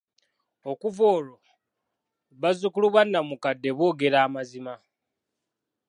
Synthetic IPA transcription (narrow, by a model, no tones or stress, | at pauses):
o̞kuvo̞ːlo | βazukuluβwanːamukadːe̞βo̞ːɡe̞ɾaːmazima